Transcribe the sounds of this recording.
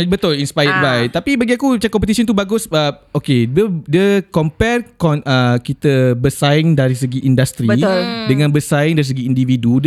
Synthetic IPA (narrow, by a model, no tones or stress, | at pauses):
bət̪ʊlinspajət̚bajt̪apibaɡiakut͡ʃakɔmpət̪isɔnt̪̬ubaɡʊsəokedədiəkɔmpɛrkɔnʔəkit̪əbərsaɪŋdaɾis̬əɡiʔindast̪ɾibʊldəŋãnbərsaɪŋdaɾis̬əɡiːndividud